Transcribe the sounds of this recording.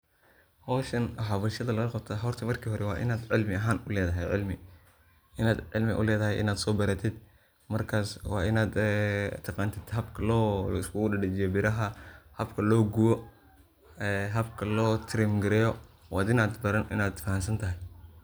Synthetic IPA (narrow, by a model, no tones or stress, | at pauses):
hɔːʃɐnħɑβɐlʃɐðɐlɐɣɐqɑt̪ʰɐɦɔrt̪ʰɐmɐrkʰiːɦɔɾɛwɑːʔɪ̰naːd̪ʕɪlmɪɐɦaːnʊlɛːðɐɦɛjʕɪ̰lmɪ | ʔɪnaːd̪ʕɪ̰lmɪʔʊ̰lɛːðɐɦɛjʔɪ̰naːd̪sɔːbɐɾɐt̪ʰɪd̪ | mɐrkʰaːswɑ̰ːɪnaːd̪t̪ʰːɐqɑːnt̪ʰɪd̪̥ɦɐbkʰɐlɔːɪskʰʊʊɖɐɖɛt͡ʃɪjɔbɪɾɐɦɐhɐbkʰɐlɔːɡʊwɔ | ɛːɦɐbkʰɐlɔːt̪ʰɪɾɛːmɡɪɾɛːjɔwɑːd̪ɪnaːd̪bɐɾɐnɪ̰naːd̪fɐɦɐnsɐnt̪ʰɐɦɛj